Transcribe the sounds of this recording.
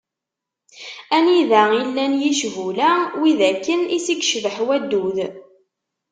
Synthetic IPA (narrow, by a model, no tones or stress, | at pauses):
æniðæilːænjiʃvulæwiðækːənisikʃvəħwæd̪ːuð